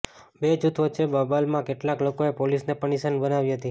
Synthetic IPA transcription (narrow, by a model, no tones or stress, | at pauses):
bed͡ʒut̪ʰʋəːʃʰebəbalmãkeʈlaklokoepolisnepəɳisənbənaʋiɦət̪i